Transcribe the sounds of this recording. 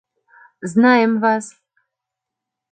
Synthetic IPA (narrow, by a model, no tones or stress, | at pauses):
znɑjəmvɑz